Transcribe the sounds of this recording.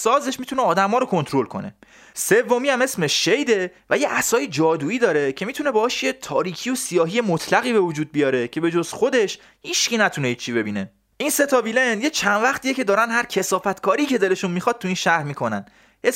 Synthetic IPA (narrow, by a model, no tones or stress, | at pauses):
sɒːzeʃmit̪uneɒːd̪æmɒːɾokʰo̞nt̪ʰɾo̞lkʰo̞̰nḛ | sevːomiːæme̞smeʃʃejd̪e̞væjeʔæsɒːjed͡ʒɒːd̪uːiːd̪ɒːɾe̞cʰe̞miːt̪ʰune̞bɒːʃjet̪ʰɒːɾiːcʰijo̞sijɒːɦiːje̞mot̪ʰlæɣiːbe̞vod͡ʒuːd̪̚bijɒːɾe̞cʰe̞be̞d͡ʒoz̥xo̞d̪e̞ʃ | hiʃcinæt̪ʰuneit͡ʃʰibe̞biːne̞ | ʔinse̞t̪ʰɒvilend̪je̞t͡ʃʰænvæχt̪ʰijecʰe̞d̪ɒːɾænɦæɾcʰe̞sɒːfæt̪kʰɒːɾiːcʰe̞d̪ele̞ʃunmixɒd̪̥̚t̪ʰuiːnʃæhɾmiːkʰo̞næ̰n | e